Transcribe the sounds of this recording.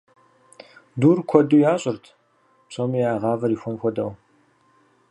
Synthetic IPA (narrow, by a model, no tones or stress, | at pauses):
duːrkʷʰɔduːjaːɕʼɪrtʰ | pɕʼɐmijaːʁɑːvɐɾiːxʷɔnxʷɔdɐw